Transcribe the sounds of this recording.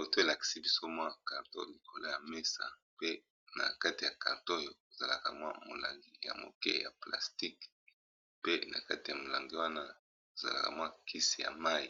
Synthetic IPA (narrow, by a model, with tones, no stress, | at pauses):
o˨to˦e˨la˨ki̥˨si˦bi˦so˦mwa˦˨ka˨ʁto̰˦li˨kʰo˨la˦ja˨me˦sa̰˨ | pe˦ | na̰˨ka˦ti˨ja˨ka̰˨ʁto˦jo˨o˨za˨la˨ka˨mwa̰˦mo˨la˨ŋɡi˦ja̰˨mo̰˨kɛ̰˦ja̰˨pla̰˨sti˦k | pe˦na̰˨ka˦ti˨ja˨mo˨la˨ŋɡi˦wa˦na˦ | o˨za̰˨la̰˨ka̰˨mwa˦kʰi˦si˨ja̰˨ma˦i˨